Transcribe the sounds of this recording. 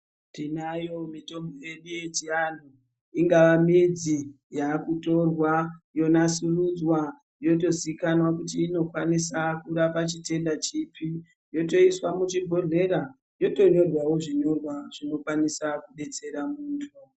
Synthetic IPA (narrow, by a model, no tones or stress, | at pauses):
tinajo̞mito̞mboje̞ɗuje̞tian̤u | iŋɡaʋamid͡zi | jaːkuto̞rwajo̞nasurud͡zwa | jo̞to̞zikanwakut̬iːno̞kwanisakuɾapat͡ʃite̞ndat͡ʃipʰi | jo̞to̞iswamut͡ʃibʱo̞ɮe̞ɾa | jo̞to̞ɲo̞rwawo̞ʐiɲo̞rwaʐ̥ino̞kwanisakuɗe̞t͡se̞ɾamuːntʰu